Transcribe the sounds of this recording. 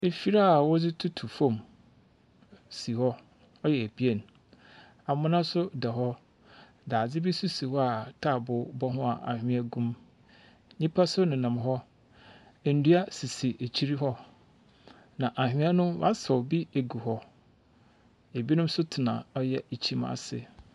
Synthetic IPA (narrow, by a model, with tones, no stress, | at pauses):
e˨fi˨ɾa˦˨wɔ˦d͡zɪ˦tʰu˦tʰu˨fɔ̃˦m | si˨hɔ˦ | ɔ˦jɛ˨e˨bi˦e˦˨n | a˨mʊ̃˦nã˦sʊ˦dɛ˨ɦɔ˦ | daː˨d͡zɪ˦bi˦su˦si˨wɔ˦a˨tʰa˦˨bʊ˨˦bɔ˦ɦʊ̃˦a̰˨ʔa̰˨hᶣɪ̃˦æ˦ɡũ˦m | ɲĩ˦pʰa˦sʊ˦nɪ̃˨nã˨mɦɔ˦ | e˨n̩˨du˦a˦si˨si˨ʔe˨t͡ɕʰi˦ɾi˦ɦɔ˦ | nã˨ʔa˨ɦᶣɪ̃˦a˦nʊ̃˦wa̰˦sɔ˨bi˦e˨ɡu˨hɔ˦ | e˨bi˦nʊ̃˦m˦sʊ˦tʰɪ˨nã̰˨ɔ˦jɛ˦e˨t͡ɕʰi˦m˦a̰˨sɪ̰˨